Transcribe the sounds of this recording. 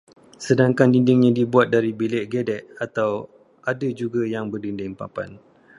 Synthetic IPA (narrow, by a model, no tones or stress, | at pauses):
sədaŋkandindɪŋɲãdibuat̪̚daɾibilɛʔɡedɛʔ̚at̪aw | ʔadad͡ʒuɡajaŋbərdindɪŋpa̰pa̰n